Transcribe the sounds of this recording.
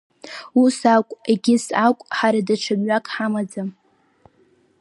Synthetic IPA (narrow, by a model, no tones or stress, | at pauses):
usakʷʼeɡʲɪsakʷʼħaɾadaʈ͡ʂʰamɥakʼħamad͡zam